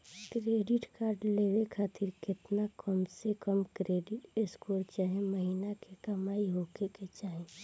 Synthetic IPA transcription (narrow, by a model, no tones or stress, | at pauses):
kɾeːɖɪʈkaːɾɖleːʋekʰaːt̪ʰɪɾkɪt̪nakəmsekəmkɾeːɖɪʈeskoːɾt͡ʃaːɦẽməɦiːnakekəmaːiɦokeket͡ʃaːɦẽ